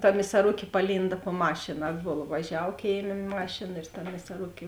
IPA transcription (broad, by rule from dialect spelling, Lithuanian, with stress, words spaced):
tɐ mʲɪsɐˈrʊkʲeː pɐˈlʲiːndɐ poː ˈmɑːʃʲɪnɐ ˈɑːdboːlˠɐ ʋɐˈʒʲɛw ˈkʲeːɪˌmʲeː ˈmɑːʃʲeːnɐ ɪr tɐ mʲɪsɐˈrʊkʲeː